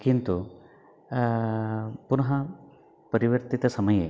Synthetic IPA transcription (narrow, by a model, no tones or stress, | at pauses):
kint̪u | punɐɦɐ | pɐɾiʋɐɾt̪it̪ɐsɐmɐjḛ